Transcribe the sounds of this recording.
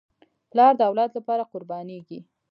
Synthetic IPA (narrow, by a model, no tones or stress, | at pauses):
plɑɾd̪əawlɑd̪lapɑɾaqʊɾbɑneɡi